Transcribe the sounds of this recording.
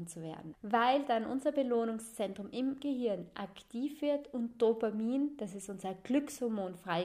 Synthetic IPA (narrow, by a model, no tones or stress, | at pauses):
nt͡suvḛːɐdn̩vaɪld̥anʔʊ̰nzɐbəloːnʊŋst͡sɛntʁ̥ʊmʔɪmɡ̥əhɪɐnʔaktʰiːfv̥ɪɐtʊntd̥opamiːnd̥asɪstʔʊnzɐɡ̥lʏkshɔɐmoːnfʁ̥aɪ